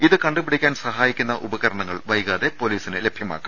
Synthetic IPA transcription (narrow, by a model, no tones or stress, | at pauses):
iðɨkɐɳɖɨpiɽikʲːaːnsɐɦaːjikʲːun̪ːɐʔubɐɣɐɾɐɳɐŋːɐɭʋɐjɣaːðe̞po̞ːliːsinɨle̞bʱjɐma̰ːkːu